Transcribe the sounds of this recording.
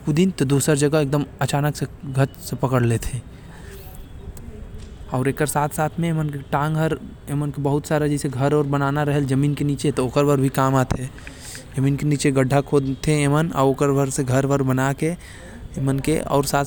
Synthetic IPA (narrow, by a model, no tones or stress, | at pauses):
kud̪int̪od̪uːsəɾd͡ʒəɡəeːk̚d̪əmɐt͡ʃaːnəkseɡʱət͡ʃsepɐkəɽlet̪ʰẽ | ɔːɾeːkəɾsaːt̪ʰsaːt̪ʰmẽeːmənkeʈãːŋɡɦəɾ | eːmənkebəɦʊt̪saːɾad͡ʒɛseɡʱəɾɔːɾbɐnaːnaɾɐɦeld͡ʒɐmiːnkeniːt͡ʃet̪ooːkəɾbəɾbʱikaːmaːt̪ʰe | d͡ʒɐmiːnkeniːt͡ʃeɡəɖʱːakʰod̪t̪ʰeeːməna̰oːkəɾbəɾseɡʱəɾbəɾbɐnake | eːmənkḛʔɔ̰ːɾsaːt̪